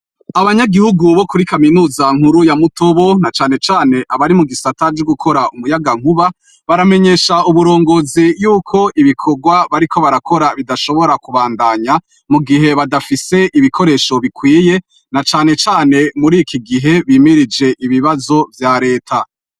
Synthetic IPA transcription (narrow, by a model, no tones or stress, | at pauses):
aβaɲaɡihuɡuβo̞kuɾikaminuːzaŋhuɾujamuto̞βo̞nat͡ʃaːne̞t͡ʃaːne̞ʔaβaɾimuɡisatad͡ʒoɡukʰo̞ɾaumujaɡaŋ̥huβa | βaɾame̞ɲe̞ːʃauβuɾo̞ːŋɡo̞zijuːkʰo̞ʔiβikʰo̞ɡwaβaɾikʰo̞βaɾakʰo̞ɾaβidaʃo̞βo̞ɾakuβaːndaɲa | muɡiɦe̞βadafise̞ʔiβikʰo̞ɾe̞ːʃo̞βikwiːje̞ | nat͡ʃaːne̞t͡ʃaːne̞muɾikʰiɡiɦe̞βiːmiɾid͡ʒe̞ʔiβiβazo̞vjaɾe̞ːtʰa